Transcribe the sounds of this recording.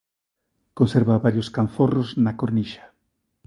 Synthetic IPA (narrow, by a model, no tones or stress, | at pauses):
konseɾβaβaɾjoskaɱforoznakoɾniʃḁ